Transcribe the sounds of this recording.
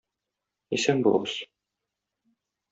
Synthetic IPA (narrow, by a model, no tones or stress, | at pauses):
isæŋbṵlˠɤ̰bɤz